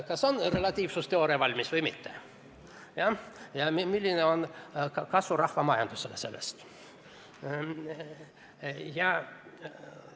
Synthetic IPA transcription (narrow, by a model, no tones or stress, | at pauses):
kɑso̞nre̞lɑt̪ʲiːvsust̪e̞o̞ɾevɑlʲmisvɤjmit̪ːe | jɑjɑmimilʲːineo̞nkɑsvurɑhvɑmɑjɑnd̪̥uselese̞lːḛst̪ | jɑ